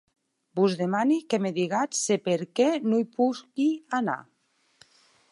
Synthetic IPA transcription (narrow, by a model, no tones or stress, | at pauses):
buzðemanikemeðiɣat̪sepeɾkenuipukiana̰